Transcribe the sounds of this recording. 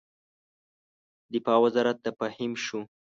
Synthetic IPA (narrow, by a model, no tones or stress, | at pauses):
d̪ɪfɑwazɑɾat̪̚d̪apahɪmʃu